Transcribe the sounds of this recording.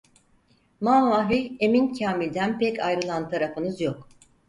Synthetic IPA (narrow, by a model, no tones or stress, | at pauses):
manvaɦyje̞mincʰaːmilʲd̪ænpɛcajɾɯlˠant̪ʰaɾafɯnɯzjok